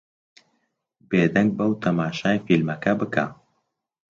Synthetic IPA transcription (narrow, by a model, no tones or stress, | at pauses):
beːd̪ɐŋɡ̚bɐwt̪ʰɐmaːʃaːjfilmɐkʰɐbɨkʰa̰